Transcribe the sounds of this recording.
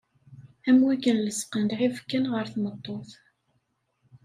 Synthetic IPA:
æmwækːənləsqənd̪ʕivkːənʁəɾθmət̪ˤːoθ

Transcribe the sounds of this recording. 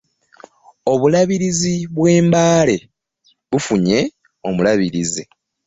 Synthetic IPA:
o̞βulaβiɾiziβwe̞ːmbaːle̞ | βufuɲe̞ | o̞mulaβiɾizi

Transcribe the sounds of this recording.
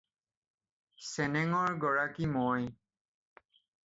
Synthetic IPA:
sɛnɛŋɔɹɡɔɹakimɔj

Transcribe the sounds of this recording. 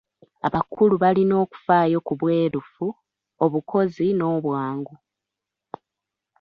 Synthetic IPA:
aβakuluβalino̞ːku̥faːjo̞kuβwe̞ːɾufu | o̞βukʰo̞zino̞ːβwaːŋɡu

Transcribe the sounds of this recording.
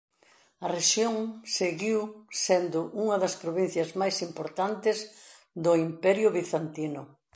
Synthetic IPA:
ɐreʃjoŋseɣiwsend̪ʊʔuŋɐðɐspɾoβin̟θjɐzmajsimpoɾt̪ant̪ɪz | d̪ʊimpɛɾjʊβiθant̪inʊ

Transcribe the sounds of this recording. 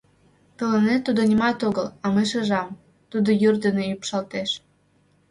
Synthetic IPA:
t̪ə̆lənet̪ːud̪onʲimɑt̪oɣəlɑmɤʃɤʒɑm | t̪ud̪ojyrd̪ənejypʃɑlt̪eʃ

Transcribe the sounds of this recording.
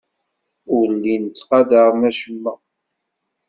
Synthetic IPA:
ʊlːint̪ːqɑd̪əɾˤmæʃəmːæ

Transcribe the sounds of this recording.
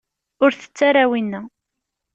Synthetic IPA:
ʊɾθə̥t͡sːaɾawinːæ

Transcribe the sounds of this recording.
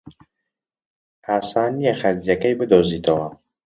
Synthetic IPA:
aːsɑːnijexɐzjɐkɐjbɨd̪oːziːt̪ʰɐwɐ

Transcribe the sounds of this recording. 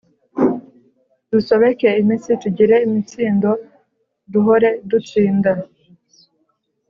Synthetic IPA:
d̥uso̞βe̞ke̞imit͡situɟiɾe̞imit͡siːndo̞ | duɦoɾe̞dut͡siːnda

